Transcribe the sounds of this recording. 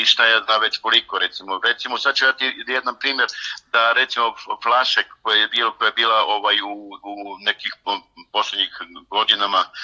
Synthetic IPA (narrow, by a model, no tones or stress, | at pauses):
iʃt̪ajaːznaːmʋe̞t͡ɕkolikoɾet̪simoɾet̪simosad̪̚t͡ʃuid̪at̪ijed̪nanpɾiːmjeɾd̪aɾe̞t̪simoflˠaʃekːojejebiːlokojajebiːlaʔo̞ʋajuːne̞kixpo̞slʲed̪ɲixɡo̞d̪inama